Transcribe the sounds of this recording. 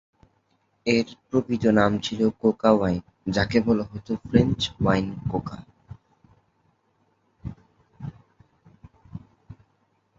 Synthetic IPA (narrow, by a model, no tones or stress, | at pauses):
eɾpɾobit̪onamt͡ɕʰilokokawajn | d͡ʑakebʱoloɦot̪ofɾent͡ɕwajnkoka̰